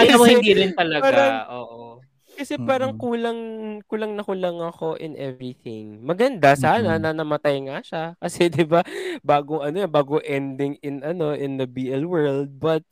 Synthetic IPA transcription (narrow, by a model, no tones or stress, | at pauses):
ʔɐj̪ɐmohɪd̪iɾɪnt̪ɐlɐɡaːɾɐŋʔoːʔo | kɐsɛpaːɾɐŋkuːlɐŋkulɐŋnɐkʊlɐŋɐko̞ʔɪnʔɛvɹiθɪŋmɐɡɐnd̪asaːnɐnɐnɐmɐt̪ajŋaʃakɐsɛd̪ɪbabaːɡoŋɐnojɐbaːɡoʔɛnd̪ɪŋɪnʔɐno̞ʔɪnd̪ɐbiːʔɛlwɛɹld̪̚bɐt̪̚